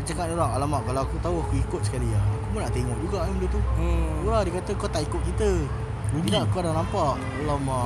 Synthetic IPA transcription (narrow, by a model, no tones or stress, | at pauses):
ət͡ʃakanoɾaŋalamaʔkalawakut̪auakuikʊt̪̚sə̥kaliaakumənaʔt̪eŋɔʔ̚d͡ʒuɡaʔaməndət̪uəuɾahdikat̪əkot̪aʔikʊt̪̚kit̪ə | t̪idaʔkuadaŋnampaʔ | ulama